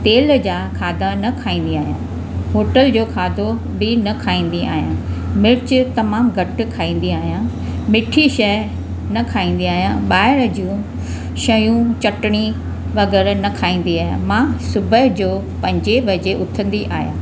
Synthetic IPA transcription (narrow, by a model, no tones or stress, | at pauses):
t̪eːld͡ʑaːkʰaːd̪ʱanɐkʰaːĩːn̆d̪iaːɦijãː | ɦoːʈəld͡ʑoːkʰaːd̪ʱo | bɪnɐkʰaːĩːn̆d̪iaːɦijãmɪɾt͡ɕt̪ɐmaːmɡʱɐʈ̆kʰaːĩːn̆d̪iaːɦijãː | mɪʈʰiʃɐ | nɐkʰaːĩːn̆d̪iaːɦijãɓaːɪɽə̆d͡ʑũː | ʃɐjũt͡ɕɐʈɽ̃i | ʋɐɣɛːɾnɐkʰaːĩːn̆d̪iaːɦjã̰mãːsʊbʱəɦd͡ʑoː | pɐ̃ɲd͡ʑebɐd͡ʑeʔʊt̪ʰə̃nd̪iʔaːɦjãː